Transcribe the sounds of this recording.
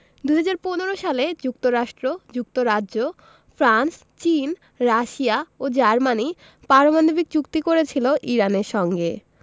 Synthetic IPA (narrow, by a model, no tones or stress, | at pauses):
d̪uɦad͡ʑaɾponeɾoʃaled͡ʑuk̚t̪oɾaʃʈɾod͡ʑuk̚t̪oɾadʑo | fɾans | t͡ɕin | ɾaʃiaod͡ʑaɾmani | paɾomand̪obik̚d͡ʑukt̪ikoɾet͡ɕʰiloʔiɾaneɾʃɔŋɡe